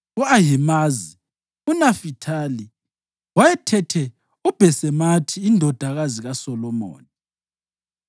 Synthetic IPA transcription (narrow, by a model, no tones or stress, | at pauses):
uaɦɛmazi | unafitʰali | wajɛtʰɛtʰɛ | ub̥ʱɛsɛmatʰiːndʱɔd̥ʱaɣaziɣasɔlɔmo̰ːni